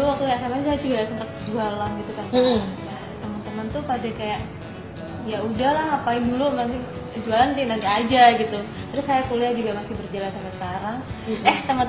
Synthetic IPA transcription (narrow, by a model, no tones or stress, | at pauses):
uwak̚t̪ukjaʔsamas̬ajad͡ʒuɡaʔsəmpət̪̚kd͡ʒualanɡit̪ukanja | t̪əmənt̪əmənt̪upadakajaʔ | jaudahlahapaɪŋdulumanɪŋ | d͡ʒualant̪inant̪iad͡ʒaɡit̪u | d̪aɾisajakuliad͡ʒuɡamasɪhbərd͡ʒalansampɛsə̥kaɾaŋɛht̪əmə